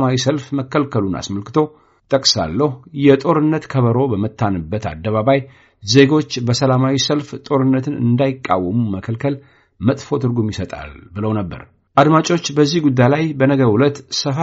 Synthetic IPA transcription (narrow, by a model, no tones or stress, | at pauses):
mawisəlfməkːəlkʰəluna̰sməlkɨ̥t̪ʰo̞ | t̪ʼəkʼsa̰lːəhjɛt̪ʼo̞ɾɨnːət̪kʰəβəɾo̞bəmɨt̪ːanɨbːət̪ʰa̰d̪ːəβaβaj | ze̞ɡo̞t͡ʃːbəsəlamawisəlft̪ʼo̞ɾɨnːət̪ʰɨnɨ̰nd̪ajɪkʼːa̰wːəmuməkʰəlkʰəl | mət̪ʼfo̞t̪ʰɨɾɡumjɪsət̪ʼa̰lbɨləwnəbːə̰ɾ | ʔad̪mat͡ʃʼo̞t͡ʃːbəzːihɡud̪ːajlajbənəɡəwulət̪səf